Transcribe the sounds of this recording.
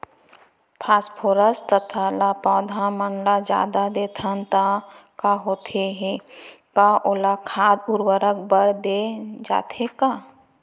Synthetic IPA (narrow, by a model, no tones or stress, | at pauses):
pʰaːspʰoːɾəst̪ət̪ʰalapɔːd̪ʱãmənlad͡ʒa̰ːd̪ad̪eːt̪ʰant̪akaɦoːt̪ʰeɦekaʔoːlakʰaːd̪ʊɾwəɾəkbəɽd̪ed͡ʒa̰ːt̪ekaː